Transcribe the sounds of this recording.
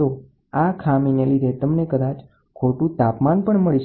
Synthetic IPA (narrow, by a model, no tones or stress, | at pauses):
o | akʰaminelid̪ʱet̪əmnekəd̪at͡ʃ | kʰoʈũt̪apmanpəɳməɭiʃ